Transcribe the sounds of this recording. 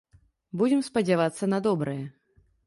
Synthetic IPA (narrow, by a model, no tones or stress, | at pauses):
bud͡zʲɛmspɐd͡zʲavat̪sːɐnad̪ɔbɾɨjɛ